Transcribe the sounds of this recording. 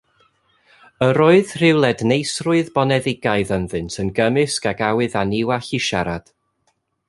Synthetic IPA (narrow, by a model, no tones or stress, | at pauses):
əɾoːɨð̥r̥ɪwlˠɛdnejsrʊɨðbɔnɛðɪɡaɨðənðɨntʰənɡəmɨskaɡawɨðanɪwaɬiʃa̰ɾad̥